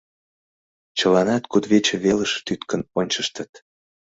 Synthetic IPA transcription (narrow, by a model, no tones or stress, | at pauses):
t͡ɕəlɑnɑt̪kud̪βet͡ɕĕβeləʃt̪yt̪kə̆nonʲt͡ɕəʃt̪ə̆t̪